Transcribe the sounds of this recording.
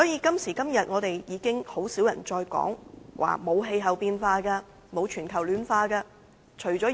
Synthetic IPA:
sɔː˨˥jiː˨˧kɐ˥msiː˨˩kɐ˥mjɐ˨t̚ŋɔː˨˧t̪e˨jjiː˨˧kɪ˥ŋho˨˥wsiː˨˥wjɐ˨˩nt͡ʃɔː˧jkɔ̰ː˨˥ŋwʔa̰ː˨˩mo˨˧wɦe˧jɦɐ˨wpiː˧nfaː˧kaː˧ | mo˨˧wt͡ʃʰyː˨˩nkʰɐ˨˩wlyː˨nfaː˧kaː˧ | t͡ʃʰɵ˨˩ɥt͡sɔː˨˥

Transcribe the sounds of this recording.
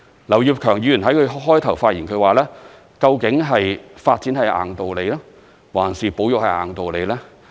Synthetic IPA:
lɐ˨˩wji˨p̚kʰœː˨˩ŋjyː˨˧jnɦɐ˨˥jkʰɵ˨˧ɦɔː˥jt̪ʰɐ˨˩wfaː˧t̚jiː˨˩nkʰɵ˨˧ɥwaː˨˩lɛː˥ | kɐ˧wkɪ˨˥ŋɦɐ˨jfaː˧t̚t͡siː˨˥nhɐ˨jʔa̰ː˨ŋt̪o˨wle˨˧jlaː˥ | waː˨˩nsiː˨po˨˥wjʊ˨k̚hɐ˨˩jʔaː˨˩ŋt̪o˨wle˨˧lɛː˥

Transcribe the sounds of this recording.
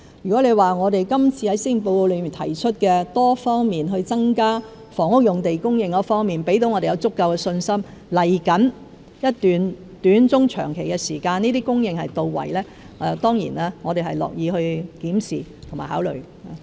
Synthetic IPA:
jyː˨kɔ˨˥le˨˧jwaː˨˩ŋɔː˨˧ɾe˨jkɐ˥mt͡sʰiː˧hɐ˨˥jsiː˥ŋ˨˩po˧wo˨˧wlɵ˨˧˥mi˨˩nt̪ʰɐ˨˩jt͡ʃʰɵ˥t̚kɛː˧t̪ɔː˥fɔː˥ŋmiː˨nɦɵ˧ɥt͡sɐ˥ŋkaː˥ | fɔː˨˩ŋʊ˥k̚jʊ˨˩ŋt̪e˨jkʊ˥ŋjɪ˧ŋkɔː˨˥fɔː˥ŋmiː˨˩npe˨˥jt̪o˨˥wŋɔː˨˧ɾe˨jɐ˨˧wt͡sʊ˥kːɐ˧wkɛː˧sɵ˧nsɐ˥mlɐ˨˩jkɐ˨˥n | jɐ˥t̚t̪yː˨n | t̪yː˨˥nt͡sʊ˥ŋt͡ʃʰœ̰ː˨˩ŋkʰe˨˩jkɛː˧siː˨˩kaː˧niː˥t̪iː˥kʊ˥ŋjɪ˨˧ŋhɐ˨˩jt̪o˨˧wwɐ̰˨˩jlɛː˥ | ɛ˧˨t̪ɔː˥ŋjḭː˨˩naː˥ŋɔ˨˧e˨˩hɐ˨jlɔ̰ː˨k̚jiː˨˧hɵ˧ɥkiː˨˥msiː˨˩t̪ʰmaː˨˩haː˨˥wlɵ̰˨ɥ | a˨˧

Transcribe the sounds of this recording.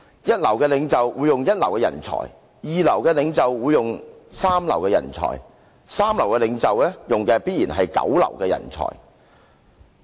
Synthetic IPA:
jɐ˥t̚lɐ˨˩wkɛː˧lɪ˨˧ŋt͡sɐ˨wwuː˨˧jːʊ˨ŋjɐ˥t̚lɐ̰˨˩wkɛː˧jɐ̰˨˩nt͡sʰɔ̰ː˨˩j | jiː˨lɐ˨˩wkɛː˧lɪ˨˧ŋt͡sɐ˨wːuː˨˧jʊ˨ŋsaː˥mlɐ̰˨wkɛː˧jɐ̰˨˩nt͡sʰɔ̰ː˨˩j | saː˥mlɐ˨˩wkɛː˧lɪ˨˧ŋt͡sɐ˨wɛː˥jʊ˨ŋkɛː˧piː˥t̚jiː˨˩nɦɐ˨jkɐ̰˨˥wlɐ̰˨˩wkɛː˧jɐ̰˨˩nt͡sʰɔ̰ː˨˩j

